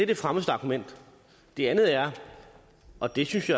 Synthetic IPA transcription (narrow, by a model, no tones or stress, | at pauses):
d̥ed̥efʁaməsd̥ɑ̈kʰumen̰d̥ | d̥e̝ænð̞̩ˠæɐ | ɒ̽d̥e̝synsjɑ̈